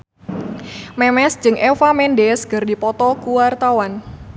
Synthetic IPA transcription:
mɛmɛsd͡ʒɨŋʔɛfamɛndɛsɡərdipɔt̪ɔkuwart̪awan

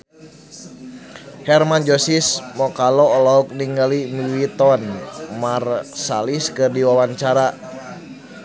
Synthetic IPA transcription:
hɛrmand͡ʒosismɔkalɔːlɔɦɔk̚niŋɡalimiwit̪ɔnmarsa̰liskɨrdiwawaɲt͡ʃaɾa

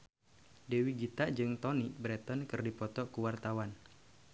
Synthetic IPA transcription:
dewiɡit̪aʔd͡ʒɨŋt̪ɔnibɾɛt̪ɔnkɨrdipɔt̪ɔkuwart̪awan

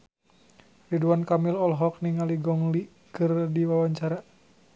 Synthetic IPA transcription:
riduankamilɔlɦɔk̚niŋaliɡɔŋli | kɨrdiwawaɲt͡ʃaɾa

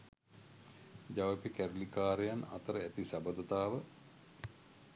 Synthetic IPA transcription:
d͡ʒaʋəpikæɾulikaːɾejana̰t̪əɾəæt̪isabəd̪ot̪aːʋə

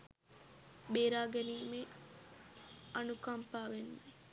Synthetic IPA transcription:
beːɾaːɡɛniːme | ɐnukɐmpaːʋenːaj

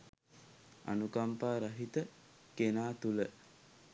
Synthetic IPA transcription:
a̰nukampaːɾaɦit̪ə | kenaːt̪ulə

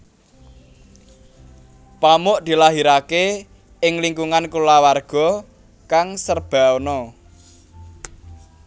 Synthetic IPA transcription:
pamʊʔd̪̥i̤laɦiɾake | ɪŋliŋkuŋankulawarɡ̥ɔ̤ | kaŋsərb̥a̤onɔ

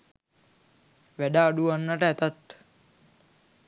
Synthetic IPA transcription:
ʋæɖaːɖuanːəʈəæt̪at̪

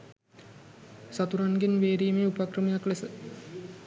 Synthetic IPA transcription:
sat̪uɾaŋɡinʋeːɾiːmeupakrəmijaklesə

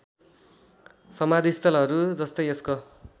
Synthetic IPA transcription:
sʌmad̪ʱist̪ʌlɦʌɾud͡zʌst̪ʌjesko

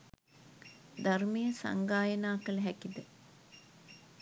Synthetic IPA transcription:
d̪armejəsa̰ŋɡaːjənaːkələɦækid̪ə

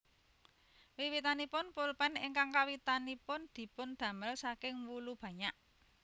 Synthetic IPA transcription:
wiwit̪anipʊnpulpɛnɪŋkaŋkawit̪anipʊnd̪̥i̤pʊnd̪̥ä̤məlsakɪŋwulub̥ä̤ɲaʔ

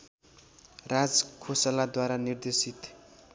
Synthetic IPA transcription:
rad͡zkʰosalad̪waɾanird̪esit̪

